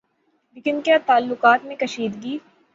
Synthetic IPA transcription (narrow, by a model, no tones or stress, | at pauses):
lekɪnkjaːt̪aːlːʊqaːt̪mẽkɐʃiːd̪ɡiː